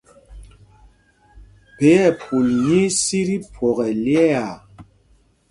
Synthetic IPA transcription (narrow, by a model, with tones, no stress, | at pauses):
pe˨˦ɛ˦˨pʰu˨lɲi˦si˦ɾi˦pʰwɔ˨ɣɛ˨ljɛ˦a˨